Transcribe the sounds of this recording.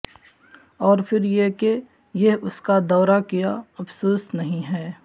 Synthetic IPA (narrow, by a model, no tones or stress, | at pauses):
ɔːɾfʰɪɾjeke | jeɦʊskad̪ɔːɾakijaɐfsoːsnɐɦĩɦɛː